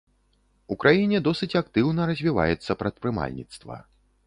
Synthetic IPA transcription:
ukɾajinʲɛd̪ɔsɨt͡sʲakt̪ɨwnɐɾɐzʲvʲiva̰jɛt̪sːɐpɾɐt̪̚pɾɨma̰lʲnʲḭt̪st̪vɐ̰

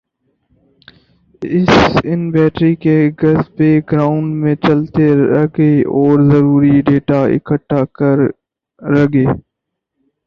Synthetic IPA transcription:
ɪsɪnbɛːʈɾikeɡɐzpeɡɾaːʊɳɖmẽt͡ʃəlt̪eɾɐɡeɔːɾzəɾuːɾiɖeːʈaɪ̰kəʈːakəɾː | ɐɡeː

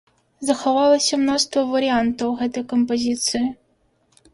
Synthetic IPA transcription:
zɐxɐvalˠɐsʲɐmnɔʂt̪vɐvɐɾɨant̪ɐwɣɛt̪ɐjkɐmpɐzʲit̪sɨjɪ

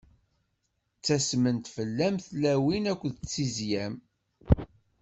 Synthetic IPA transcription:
t͡sːæsmənt̪fəlːæmθlæwinækʷːðt͡sːizjæm

